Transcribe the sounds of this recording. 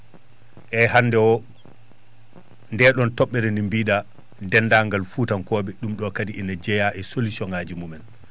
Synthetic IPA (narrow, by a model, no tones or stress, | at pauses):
ʔɛhanːdɛwɔ | ndɛɗɔntɔɓːɛɾɛnimbiːɗa | dɛnːdaŋɡalfutankɔːɓɛɗumɗɔkadiʔinad͡ʒɛjaʔɛsolusjɔnaːd͡ʒimumɛn